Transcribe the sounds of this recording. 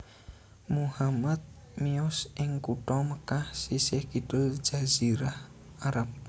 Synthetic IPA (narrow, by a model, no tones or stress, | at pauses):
muhamat̪̚ | miʊsʔɪŋkuʈɔməkahsisɪhkid̪ʊld͡ʒ̥az̥iɾah | aɾap̚